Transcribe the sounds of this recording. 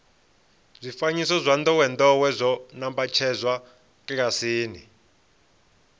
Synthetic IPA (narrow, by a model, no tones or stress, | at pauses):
zʷifaɲisɔzʷand̪ɔwɛnd̪ɔwɛzʷɔnambat͡ʃʰɛzʷwa | kʼikasiːni